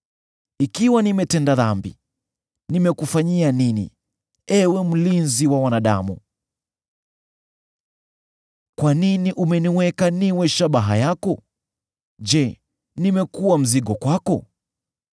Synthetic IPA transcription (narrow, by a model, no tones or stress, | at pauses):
ikiwanimɛtɛndaðambḭ | nimɛkufaɲianinḭ | ɛwɛm̩linziwawanaɗa̰mṵ | kwaniniʔumɛniwɛkaniwɛʃaɓaɦa̰jakɔ | d͡ʒɛ | nimɛkuwam̩ziɠɔkwakɔ̰